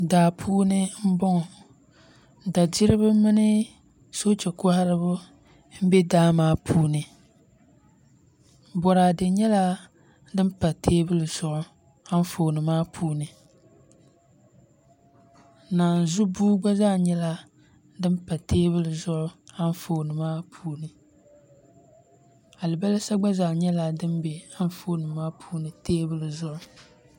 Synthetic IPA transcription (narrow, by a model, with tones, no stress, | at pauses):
daː˨pʰuː˦nɨ˦m̩˦bɔ˦ŋ˨ | da˨d͡ʒi˦ɾɨ˦bɨ˦mɨ˦nɨ˦ | so˦t͡ʃɛ˨kɔ˦ha˦ɾɨ˦bʊ˦ | m̩˦bɛ˦daː˦maː˦pʰuː˦nɨ˨ | bɔ˨ɾa˨dɨ˨ɲɛ˦la˦ | dɨ˦mpa˨tʰeː˦bɨ˦lɨ˨z̥ʊ˨ʔʊ˦ | ha˦n˦fo˨nɨ˨maː˦pʰuː˦nɨ˨ | naː˨n˨zu˦buː˦ɡ͡ba˦za˦ɲɛ˦la˦ | dɨ˦mpa˨tʰeː˦bɨ˦lɨ˨zʊ˦ʔʊ˦a˦n˦foː˦˨nɨ˨maː˦pʰuː˦nɨ˨ | a˨lɨ˨ba˦lɨ˦sa˦ɡ͡ba˦za˨ɲɛ˦la˦dɨ˦mbɛ˨a˦n˦foː˦nɨ˨maː˦pʰuː˦nɨ˨tʰeː˦bɨ˦lɨ˨zʊ˦ʔʊ˦